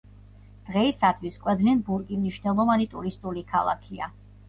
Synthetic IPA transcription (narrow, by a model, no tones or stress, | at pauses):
d̪̥ʁɛisad̪ʰvwiskʼwɛd̪lɛnbuɾkʼimniʃnɛlˠɔvanit̪ʼuɾist̪ʼulikʰa̰lˠa̰kʰia